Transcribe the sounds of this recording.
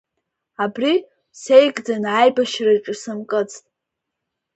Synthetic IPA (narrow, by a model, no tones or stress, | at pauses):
abri | sejkʼdanʕajbaʃraʈ͡ʂʼɨsɨmkʼɨt͡sʼtʼ